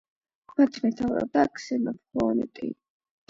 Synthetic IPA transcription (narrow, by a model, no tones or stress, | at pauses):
mat̪ʰmɛt̪ʰavɾa̰d̪akʰsɛnapʰχɔnɛt̪ʼḭ